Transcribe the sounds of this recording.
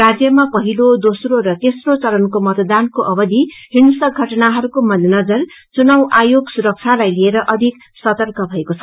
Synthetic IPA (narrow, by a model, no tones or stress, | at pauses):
rad͡zjʌmapʌɦilod̪osroɾʌt̪esrot͡sʌlʌnkomʌt̪d̪ankoʔʌbʌd̪iɦinusʌɡʱʌʈnaɦʌɾukomʌd̪ʱnʌd͡zʌr | t͡sunawʔajoɡsuɾʌk̚t͡sʰalajlieɾʌʔʌd̪ʱik | sʌt̪ʌrkʰʌbʱʌekot͡sʰʌ